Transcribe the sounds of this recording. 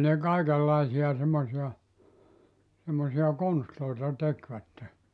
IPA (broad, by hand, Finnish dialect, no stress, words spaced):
ne kɑikelːɑisiɑ semːosiɑ semːosiɑ konstloitɑ tekʋætːe